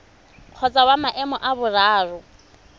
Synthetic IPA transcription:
q͡χʰɔt͡sʼawamaʔɛmɔʔabʊraːrʊ

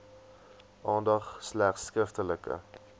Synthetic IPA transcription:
ʔɑːndɐχslæχsːkɾəftələkə̰

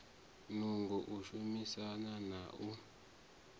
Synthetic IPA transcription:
nuŋɡuʔuʃumisananaːʔu

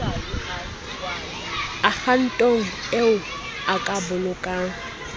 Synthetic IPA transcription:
ak͡xʰan̩tʼoŋ̩ | eʊ | akʼabʊlʊkʼaːŋ̩

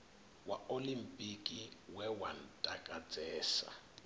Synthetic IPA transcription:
waolimpʼikʼiwɛwan̩tʼakʼat͡sʼɛːsa̰

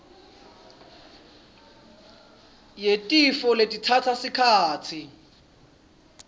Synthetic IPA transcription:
jetʼifɔletʼitʰat͡sʰasɪkʰaːt͡sʰi

